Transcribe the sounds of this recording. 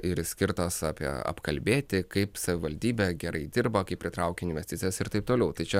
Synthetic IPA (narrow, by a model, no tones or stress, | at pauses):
ɪɾsʲkʲɪrt̪osɑːpʲiɛ̰ɐ̰pkɐlʲbʲeːt̪ʲɪkɐɪpsɐʋʲɪʋɐlʲd̪ʲiːbʲɛːɡʲɛɾɐɪd̪ʲɪrbɐkɐɪpʲɾʲɪt̪ɾɐʊkʲeːɪnʲʋʲɛsʲt̪ʲɪtt͡s̪ʲsʲɪjɛsɪɾt̪ɐɪp̚t̪oːlʲɛʊt̪ɐɪt͡ʃʲɛ